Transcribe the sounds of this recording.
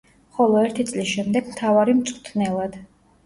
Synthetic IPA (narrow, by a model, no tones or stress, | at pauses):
χɔlˠɔɛɾt̪ʰit̪sʼlisʃɛmd̪ɛɡmt̪ʰavaɾimt̪sʼqʼt̪ʰnɛlˠad̪̥